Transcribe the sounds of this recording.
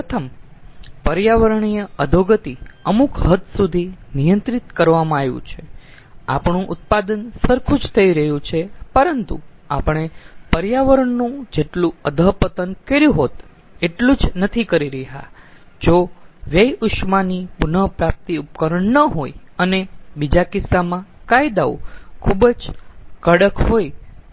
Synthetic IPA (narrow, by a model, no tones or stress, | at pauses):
ət̪ʰəm | pəɾjaʋəɾəɳijəəd̪ʱoɡət̪iəmukɦət̪sud̪ʱinijənt̪ɾit̪kəɾʋamãaʋjṵ̃t͡ʃʰe | a̰pɳũʔʊt̪̚pad̪ənsəɾkʰũd͡ʒt̪ʰəiɾəɦjũt͡ʃʰepəɾənt̪ṵapəɳ̃epəɾjaʋəɾəɳnũd͡ʒeʈlũəd̪ʱəpət̪ənkeɾjũɦot̪ | eʈlũd͡ʒnət̪ʰikəɾiɾəɦa̰ | d͡ʒoʋjəjʊʃmanipunəpɾap̚t̪iupkəɾəɳnəɦojənebid͡ʒakɪsːamãkajd̪aukʰubd͡ʒkəɽəkɦoj